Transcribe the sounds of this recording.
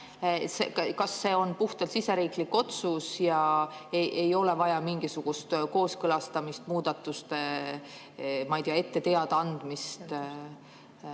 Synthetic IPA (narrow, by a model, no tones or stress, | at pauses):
sekkɑsːe̞ːo̞npuht̪ɑlsise̞ɾiːklikːo̞t̪susjɑeʔejo̞le̞vɑjɑmiŋɡ̥isuɡ̥ust̪ko̞ːskɤlɑst̪ɑmist̪̚muːd̪̥ɑt̪ːˑust̪ | mɑjt̪ijɑe̞t̪ːe̞t̪eɑd̪̥ɑnd̪̥mist̪